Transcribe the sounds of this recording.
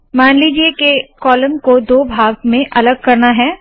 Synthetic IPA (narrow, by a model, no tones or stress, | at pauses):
maːnliːd͡ʒiekekɔːlə̃mkod̪oːbʱaːɡ̚mẽʔɐləɡ̚kɐɾnaɦɛː